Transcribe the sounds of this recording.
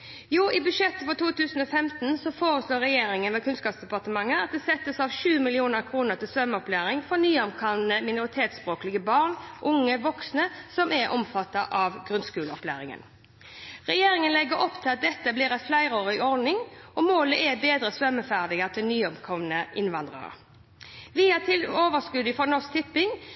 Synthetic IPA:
juːʔɪbʉʂɛt̪ːəfɔt̪ʰuːt̪ʉːsn̩ɔfɛmt̪n̩sɔfoːɾəsloːɾɛjeːɾɪŋənʋɛkʰʉnskɑːpsd̪ɛpɑʁt̪əmɑŋːəɑt̪̚d̪ɛːsɛt̪ːəsɑʋʃʉːmɪlɪuːnəɾkʰɾuːnəʁt̪ʰɪlsʋœmːəɔplæːɾɪŋfɔɾnyːɔmkʰɑʋnəmɪnʊɾɪt̪ʰeːt̪spɾoːklɪɡəbɑʁɳʔʊŋːəʋɔksnəsɔmɛɾʔɔ̰mfɑt̪ːɑʔɑʋɡɾʉnskʉːləɔplæ̰ːɾɪŋə̰n | ʁɛjeːɾɪŋənlɛɡəɾɔpːt̪ʰɪlɑt̪̚d̪ɛt̪ːəbliːɾɑflæɪɾəoːɾɪɔɾd̪nɪŋɔmoːləʔɛbeːd̪ɾəsʋœmːəfæʁd̪ɪɡət̪ʰɪlnyːɔmkʰɔʋnəʔɪnʋɑnd̪ʁə̰ɾə̰ | ʋɪæt̪ʰɪloːʋəskʉd̪ɪfɔɾnɔsk̚t̪ʰɪpːɪŋ

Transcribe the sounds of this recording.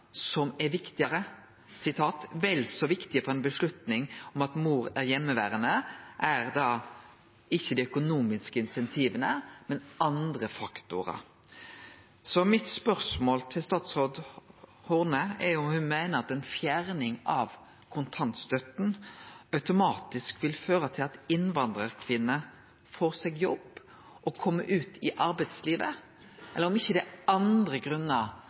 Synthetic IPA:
sɔmɛʋɪkt̪ɪəɾə | sɪt̪ʰɑːt̪ʋɛlsɔʋɪkt̪ɪəpʰɔɛæɪnbəʂɭʉt̪nɪŋɔmɑt̪muːɾæʁjɛmːəʋæ̰ːʁənəʔæɾd̪ɑː | ɪçːəd̪ɛœkʊnuːmɪskəɪnsɛnt̪ʰiːʋənəmɛnɑnd̪ɾəfɑkt̪ʊɾɑ̰ | sɔmɪt̪spœɾsmoːlt̪ʰɪlst̪ɑːt̪shɔd̪ | hʊʁnəɛɾjʊʊhʉnmæɪnəɾɑt̪ɛnfjæɾnɪŋɑʋ | kʰʊnt̪ʰɑnt̪st̪œt̪n̩œʉt̪ʊmɑːt̪ɪskʋɪlføːɾət̪ʰɪlɑt̪ɪnʋɑnd̪ɾəʁkʰʋɪnːə | foːʁsɛɡjɔbː | ʔɔkʰɔmːə̰ʔʉːt̪ʰɪʔɑɾbæɪt̪sliːʋə | ʔɛlːəɾɔmɪçːəd̪ɛɑnd̪ɾəɡɾʉnːə

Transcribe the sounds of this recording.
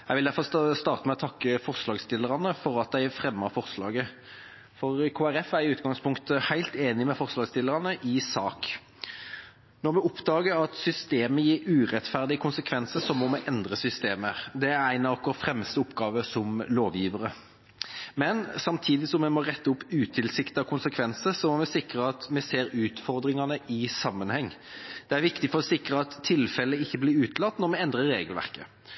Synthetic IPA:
jæɪʋɪld̪æɾfɔst̪ɑːʁt̪əmɛɔt̪ʰɑkːəfɔʁslɑːɡst̪ɪlːəɾɑnəfɔɾɑt̪̚d̪æɪfɾɛmːəɾfɔʁslɑ̰ːɡə | fɔʁkʰoːæɾɛfæɾɪʉːt̪ɡɑŋspʰʊŋkt̪əhæɪlt̪eːnɪmɛfɔʁslɑːɡst̪ɪlːəɾɑnəʔɪsɑːk | nɔɾmɛʊpd̪ɑːɡəɾɑt̪sʏst̪eːməjiːɾʉːʁɛt̪fæʁd̪ɪəkʰʊnsəkʰʋɛnsəsɔmɔmɛʔɛnd̪ʁəsʏst̪eːməɾd̪ɛæɾæɪnɑɑkʊɑfɾɛməst̪əʊpːɡɑːʋəsɔmloːʋjiːʋəɾə | mɛnsɑmt̪ʰiːd̪ɪsɔmːɛmɔʁɛt̪ːəʊpʉːt̪ʰɪlsɪkt̪ɑkʰʊnsəkʰʋɛnsəsɔmɔmɛsɪkɾəɑt̪mɛseːɾʉːt̪fɔɾd̪ɾɪŋɑnəʔɪsɑmːənhɛŋː | d̪̥ɛæɾʋɪkt̪ɪfɔɾɔsɪkɾəɑt̪ʰːɪlfɛlːəɪçːəblɪɾʉːt̪lɑt̪ːnɔɾmɛɛnd̪ɾəːeːɡəlʋæ̰ʁkə

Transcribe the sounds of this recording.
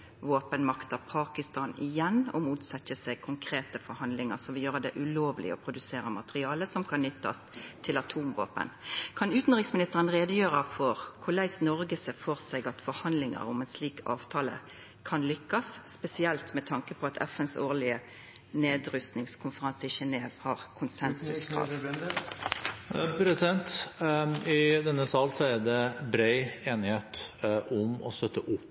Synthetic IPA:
ʋoːpənmɑkt̪ɑpʰɑːkɪst̪ɑːnɪjɛnːɔ̰muːt̪sɛtːəsɛɡkʰʊŋkʰɾeːt̪əfɔɾhɑnd̪lɪŋə̰ɾsɔʋɪljøːʁəd̪ɛ̰ʔʉloːʋlɪ̰ɔ̰pʰɾʊd̪ʉseːɾəmɑt̪ʁɪɑːləsɔmkʰɑnːʏt̪ːɑ̰st̪ʰɪlɑt̪ʰuːmʋo̰ːpə̰nkʰɑnʉːt̪n̩ʁɪksmɪnɪst̪əʁənʁeːd̪əjøːʁɑfɔʁkʰʊlæɪsnɔɾɡəsəfɔʁsɛɡɑt̪fɔɾhɑnd̪lɪŋə̰ɾʊ̰mɛnsliːkɑ̰ːʋt̪ʰɑːlə̰ | kʰɑnlʏkːɑsːpɛsɪɛlt̪mɛt̪ʰɑŋkəpʰɔɑt̪ʰɛ̰fɛnsoːʁlɪə | neːd̪ɾʉst̪nɪŋskʰʊnfəʁɑnsɪʃɛneːʋhɑːʁkʰʊnsɛnsʉskʰʁɑ̰ː | pʰɾɛsɪd̪ɛnt̪ | ɪd̪ɛnːəsɑːlsɔæd̪ɛbɾæɪeːnɪheːt̪ʔʊmɔ̰st̪œt̪ːəʔʊpː

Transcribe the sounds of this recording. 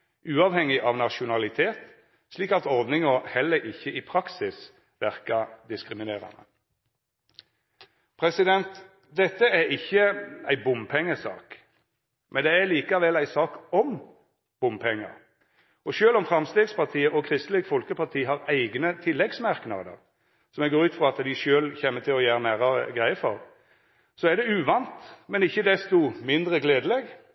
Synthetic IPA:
ʉːɑːʋhɛŋɪʔɑʋnɑʃʊnɑlɪt̪ʰeːt̪ | sliːkɑt̪ɔʁd̪nɪŋəhɛlːəɾɪçːəʔiːpʰʁɑksɪs | ʋæʁkɑd̪ɪskʁɪmɪneːʁɑ̰nə̰ | pʰʁɛsɪd̪ɛnt̪ | d̪ɛt̪ːəæɾɪçːəæɪbʊmpʰɛŋːəsɑ̰ːk | mʔɛnd̪ɛæliːkɑʋɛlæɪsɑːkɔm | b̥ʊmpʰɛŋːə̰ɾ | ɔʃøːlɔmfɾɑmst̪eːɡspɑʁt̪ʰiːəʔɔkʰɾɪst̪lɪkfɔlkəpʰɑʁt̪ʰiːɦɑʁæɪɡnət̪ʰɪlːɛɡsmæɾknɑ̰d̪ə̰ʁ | sɔmɛɡoːɾʉːt̪fʁɔɑt̪d̪ɪʃøːlçɛmːət̪ʰɪlɔjæːɾənæːɾɑʁə̰ɡʁæɪəfɔ̰ʁ | sɔæd̪ɛʉːʋɑnt̪mɛnɪçːəd̪ɛst̪ʊmɪnd̪ʁəɡleːd̪əlɛɡ

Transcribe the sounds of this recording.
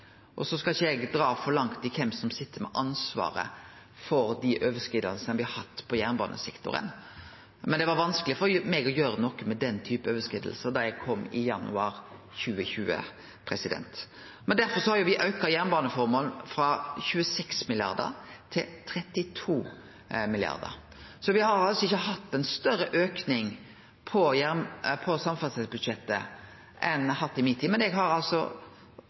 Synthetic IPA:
ʔɔsɔskɑlçɛɡd̪ɾɑːfɔɾlɑŋt̪ɪkʰɛmsɔmsɪt̪ːəɾmɛ̰ʔɑnsʋɑ̰ːɾə̰ | fɔɾd̪ɪʔøːʋəskɾɪːd̪ɑlsənəbɪhɑhɑt̪ːpʰɔjæʁnbɑ̰ːnʔə̰sɛkt̪ʊ̰ɾə̰n | mɛnd̪ɛʋɑɾʋɑnsklɪfɔɾmɛɡɔjøːɾənɔkːəmɛd̪ɛnːt̪ʰyːpəøːʋəskɪːd̪əl̩səɾd̪ɑjæɡ̚kʰɔmːɪjɑnʉ̰ɑɾ | çʉːəçʉːə̰ | pʰɾɛsɪd̪ɛ̰nt̪ | mɛnd̪æɾfɔɾsɔhɑɾjʊʋɪʔœʏkɑjæɾnbɑːnəfɔɾmoːln̩fɾɑçʉːəsɛksmɪlɪjɑ̰ɾd̪ə̰ɾt̪ʰɪt̪ʰɾɛt̪ːɪt̪ʰuː | mɪljɑ̰ɾd̪ə̰ɾ | sɔʋɪhɑɾɑlsɔɪçːəɦɑt̪ːɛnst̪œɾəʔøːknɪŋ | pʰɔjæɾnpʰɔsɑmfɑsɛsbʉd̪ʃɛt̪ːə̰ | ʔɛnhɑt̪ːɪmɪt̪ʰiːd̪mɛnɛɡɦɑɾɑlsɔ̰

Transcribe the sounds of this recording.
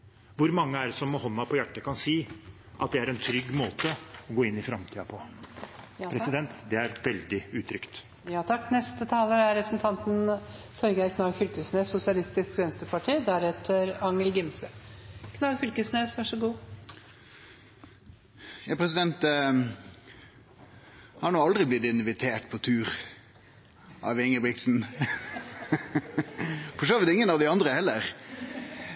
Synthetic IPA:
ʋʊɾmɑŋːəæɾsɔmːɔhɔnːɑpʰɔjæʈːəkʰɑnsiː | ʔɑ̰t̪̚d̪ɛæɾɛnt̪ʰɾʏɡːmoːt̪əɔɡoːɪnːɪfɾɑmt̪ʰiːɑpʰɔ | pɾɛsɪd̪ɛnt̪d̪ɛæɾʋɛld̪ɪʉːt̪ʰɾʏkt̪ | jɑːt̪ʰɑkːnɛst̪ət̪ʰɑːləɾæɾɾɛpʰɾə̥sn̩t̪ʰɑnt̪n | fœɾɡəæɾkʰnɑːɡfʏlkəsneːsːʊsɪɑlɪst̪ɪskɾɛnst̪əɾpʰɑʈʰiːd̪æɾɛt̪ʰəɾɑŋːəlɡɪmsəkʰnɑːɡfʏlkəsneːsʋæʂɔɡuː | jɑːpʰʁɛsɪd̪ɛnt̪ | hɑɳɔɑld̪ʁɪblɪt̪ɪnʋɪt̪ʰeːʈpʰɔt̪ʰʉːʁ | ʔɑ̰ʋɪŋəbʁɪk̪̚sn̩ | fɔʂøːʋɪt̪ɪŋːənɑʋd̪ɪɑnd̪ʁəhɛlːəʁ

